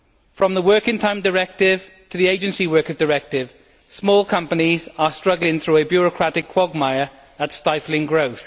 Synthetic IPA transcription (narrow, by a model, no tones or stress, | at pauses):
fɹə̃mðəwɜˑkɪ̃ŋtʰãɪ̃mdəɹɛk̚tɪv̥ | tʰəðieɪd͡ʒə̃nsiwɜˑkəzdəɹɛk̚tɪv̥ | smɔːlˠkʰʌ̃mpənizəstɹ̥ʌɡlɪ̃ŋθɹuːəbjɔːɹəkʰɹ̥atɪkʰw̥ɒɡ̚maɪə | ðətstaɪflɪ̃ŋɡɹoʊθ